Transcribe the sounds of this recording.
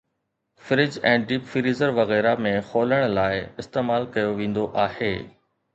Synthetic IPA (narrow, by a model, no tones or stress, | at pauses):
fɪɾɪd͡ʑɛ̃ːɖiːpfɪɾiːzəɾʋɐɣɛːɾamẽxoːləɽ̃laːɪɪst̪eːmaːlkɐjoʋẽːn̆d̪oʔaːheː